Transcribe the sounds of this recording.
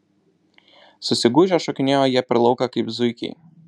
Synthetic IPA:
sʊsʲɪɡuːʒʲoːʃɔkʲɪnʲeːjoːjiɛpʲɛɾlˠɐʊkɐkɐɪpzʊɪkʲɛ̰ɪ

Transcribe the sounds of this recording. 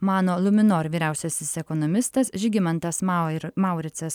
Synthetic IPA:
mɑːnoːlˠʊmʲɪnoːɾʋʲiːɾʲæˑʊsʲɛsʲɪsɛkɔnɔmʲɪst̪ɐsʒʲɪɡʲɪmɐnt̪ɐsmɑˑʊɾʲɪt̪sʲɛs

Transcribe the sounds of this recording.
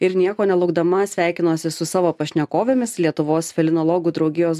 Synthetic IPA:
ɪɾnʲiɛkoːnʲɛlˠʊɡd̪ɐmɐsʲʋʲæˑɪkʲɪnoːsʲɪsʊsɑːʋoːpɐʃʲnʲɛkoːʋʲemʲɪslʲiɛt̪ʊʋoːsfʲɛlʲɪnoːlˠoːɡuːd̪ɾɒʊɡʲɪjoːs

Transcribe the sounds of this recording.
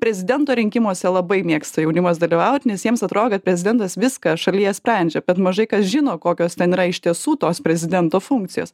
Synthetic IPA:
pʲɾʲɛzʲɪd̪ʲɛnt̪oːɾʲɪŋʲkʲɪmoːsʲɛlˠɐbɐɪmʲiːkst̪ɐjɛʊnʲɪmɐsd̪ɐlʲiʋɐʊt̪ʲnʲɛsjiɛmsɐt̪ɾoːd̪ʲkɐt̪̚pʲɾʲɛzʲɪd̪ʲɛnt̪ɐsʋʲɪskɐʃɐlʲiːjɛsʲpʲɾʲɛnʲd͡ʒʲɛbʲɛt̪mɐʒɐɪkɐsʒʲɪnoːkoːkʲoːst̪ʲɛniːɾɐɪʃʲt̪ʲiɛsuːt̪oːspʲɾʲɛzʲɪd̪ʲɛnt̪oːfuŋk̚t̪sʲɪjoːs

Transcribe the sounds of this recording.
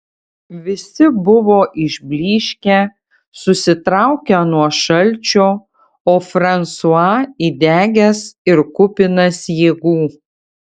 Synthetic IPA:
ʋʲɪsʲɪbʊʋoːʔɪʒʲbʲlʲiːʃʲkʲæ | sʊsʲɪt̪ɾɑˑʊkʲɛnuɔʃɐlʲt͡ʃʲoː | oːfɾɐnsuɑːid̪ʲæːɡʲɛsɪɾkʊpʲɪnɐsjeːɡuː

